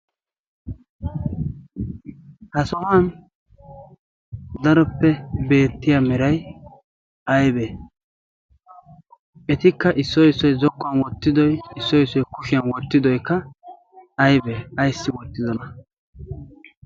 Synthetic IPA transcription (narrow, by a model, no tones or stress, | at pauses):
hɐsɔhan | d̪ɐɾɔpːɛbe̞ːt̪ːɪjamɛɾɐj | ɐjbeː | ɛt̪ɪkːɐʔɪsːɔjɪsːɔjzɔkːʊɐnwɔt̪ːɪd̪ɔjɪsːɔɪsːɔjkʊʃɪjɐnwɔt̪ːɪd̪ɔjkːɐ | ɐjbeːɐjsːɪwɔt̪ːɪzɔnɐ